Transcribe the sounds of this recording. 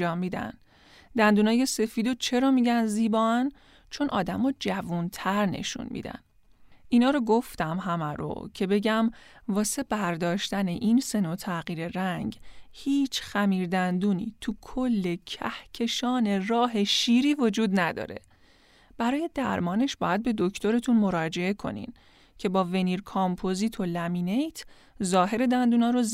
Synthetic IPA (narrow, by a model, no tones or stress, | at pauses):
d͡ʒɒːmːiːd̪æ̰n | d̪̥ænd̪uːnɒːje̞se̞fiːd̪ot͡ʃʰe̞ɾɒːmiːɟænziːbɒːæn | t͡ʃʰo̞nʔɒ̰ːd̪æmɔːd͡ʒævunt̪ʰæɾne̞̰ʃṵnmḭd̪æ̰n | ʔinɒːɾoɡo̞ft̪æmɦæmæɾo̰cʰe̞be̞ɟæm | vɒːse̞b̥æɾd̪ɒːʃt̪æne̞ʔinse̞not̪ʰæɣiːɾe̞ɾæŋɟhiːt͡ʃʰxæmiːɾd̪ænd̪uːnḭːt̪ʰukʰo̞lːe̞cʰæ̰hcʰe̞ʃɒːne̞rɒːɦe̞ʃiːɾiːvo̞d͡ʒuːd̪næd̪ɒ̰ːɾe̞̰ | b̥æɾɒːje̞d̪æɾmɒːne̞ʃb̥ɒːjæd̪̚be̞d̪ocʰt̪ʰo̞ɾe̞t̪ʰunmo̞ɾɒːd͡ʒe̞e̞kʰo̞̰nḭm | cʰe̞bɒːve̞niːɾkʰɑmpʰozit̪ʰo̞læmiːne̞jt̪ʰ | zɒːɦe̞ɾe̞d̪ænd̪uːnɒːɾoz